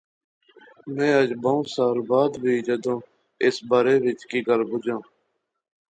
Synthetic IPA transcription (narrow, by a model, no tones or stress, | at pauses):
mẽːəd͡ʒbaːũːsaːɾbaːd̪ʋiːd͡ʒəd̪õː | ɪsbaːɾeːʋɪt͡ʃkiːɡəlbʊd͡ʒãː